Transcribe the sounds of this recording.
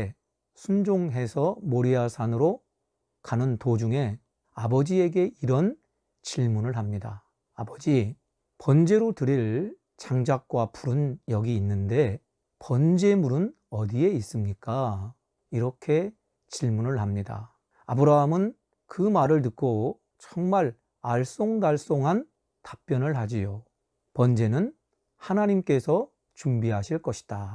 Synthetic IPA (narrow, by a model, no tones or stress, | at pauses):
sʰund͡ʑoŋɦe̞sʰʌmoɾiasʰanɯɾo | kanɯntod͡ʑuŋe̞ | abʌd͡ʑie̞ɡe̞ʔiɾʌn | t͡ɕiɭmunɯɭɦamɲida̰ | abʌd͡ʑi | pʌnd͡ʑe̞ɾotɯɾiɭ | t͡ɕaŋd͡ʑak̚k͈wapuɾɯnjʌɡiːnːɯnde̞ | pʌnd͡ʑe̞muɾɯn | ʌdie̞is͈ɯmɲik͈a | iɾʌkʰe̞ | t͡ɕiɭmunɯɭɦamɲida̰ | abɯɾaɦamɯn | kɯmaɾɯɭnɯk̚k͈o | t͡ɕʌŋmaɭ | aɭs͈oŋdaɭs͈oŋɦan | tḁp͈jʌnɯɭɦad͡ʑijo | pʌnd͡ʑe̞nɯn | hanaɲimk͈e̞sʰʌ | t͡ɕuŋbiɦaɕʰiɭk͈ʌɕʰi̥d̥a